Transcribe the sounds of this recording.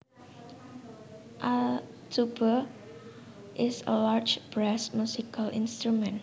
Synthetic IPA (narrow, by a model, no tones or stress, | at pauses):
ʔal | tʰubə | ʔɪsə̰laɹd͡ʒb̥ɾɛsmjusikalʔɪ̃nst̪ɾumɛ̃n